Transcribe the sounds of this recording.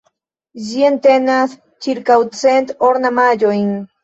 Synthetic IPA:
zient̪enas | t͡ʃiɾkawt͡sent̪oɾnamaʎojŋ

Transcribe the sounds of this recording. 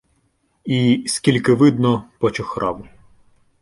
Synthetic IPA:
isʲkʲilʲkɪʋɪd̪nɔpɔt͡ʃɔxɾʔɑwʊ

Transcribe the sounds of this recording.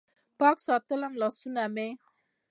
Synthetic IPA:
pɑksɑt̪əlanlɔsuname

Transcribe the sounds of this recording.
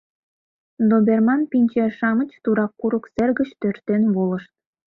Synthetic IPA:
d̪obʲermɑnpinʲt͡ɕeʃɑmə̆t͡ɕt̪uɾɑkːuɾŭksĕrɡɘ̆t͡ɕt̪ørt̪ːenβolˠɤ̆ʃt̪̚

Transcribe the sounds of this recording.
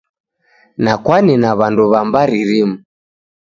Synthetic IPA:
nakwaninaβanduβambaɾiɾimu

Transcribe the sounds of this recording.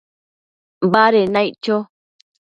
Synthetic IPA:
baɾenãit͡ʃo

